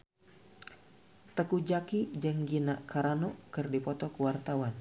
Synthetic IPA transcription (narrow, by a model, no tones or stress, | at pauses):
t̪əkud͡ʒakid͡ʒəŋɡinaʔkaɾanɔkɨrdipɔt̪ɔkəwart̪awan